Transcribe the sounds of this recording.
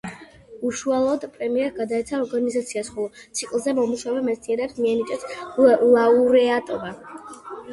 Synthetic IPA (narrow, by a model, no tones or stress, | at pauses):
uʃualˠɔd̪pʼɾɛmiɛɾɡad̪aɛt̪sʰaɔɾɡanizat̪sʰiasχɔlˠɔt̪sʰikʼlˠzɛmɔmuʃaɔvɛmɛt̪sniɛɾɛpsmiɛnit͡ʃʼɛslauɾɛat̪ʼɔba